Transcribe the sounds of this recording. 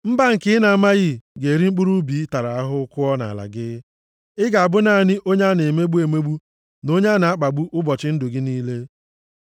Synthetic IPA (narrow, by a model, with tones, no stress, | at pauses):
m̩˦ba˦ŋ̩˨kɪ˦ɪ˦na˨a˨ma˦ɣɪ˦˨ɡe˨ɾi˦ŋ͡m̩˦k͡pu˦ɾu˦bi˨˦ta˨ɾa˨a˦ɦʊ˦kʊ˦ɔ˦na̰˨la̰˨ɡɪ˦ | ɪ˦ɡa˨a˨bʊ˦na˦˨nɪ˦ʔo˦ɲa˦ne˨me˦ɡ͡bu˦e˨me˦ɡ͡bu˦ | no˦ɲa˦na˨a˦k͡pa˨ɡ͡bu˦ʔʊ˦bɔ˨t͡ʃɪ˦n̩˦dʊ˨ɡɪ˦niː˦le˦